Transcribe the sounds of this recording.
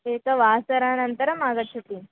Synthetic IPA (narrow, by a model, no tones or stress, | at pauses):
eːkɐʋaːsɐɾaːnɐnt̪ɐɾɐmaːɡɐt͡ʃʰːɐpːin